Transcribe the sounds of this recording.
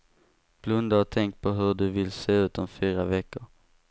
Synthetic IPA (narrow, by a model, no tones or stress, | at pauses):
b̥lɵnd̪aɔt̪ʰɛŋkt̪̚pʰɔɦɵɖɵvɪlseːʉ̟ːt̪ɔmfyːɾavɛkːʊɾ